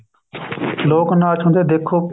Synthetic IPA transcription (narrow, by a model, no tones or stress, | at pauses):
loːknaːt͡ʃʰõnd̪eːd̪eːkʰːoː